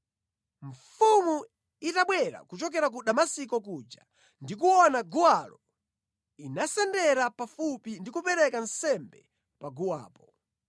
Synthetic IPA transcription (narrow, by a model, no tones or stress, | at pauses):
ɱfumu | itaɓwɛɾa̰kut͡ʃɔk̬ɛɾak̬uɗamasikɔk̬ud͡ʒa̰ | ndik̬uɔnaɡuwalɔ | inasɛndɛɾapafupindikupɛɾɛkansɛmbɛ̰ | paɡuwa̰ːpɔ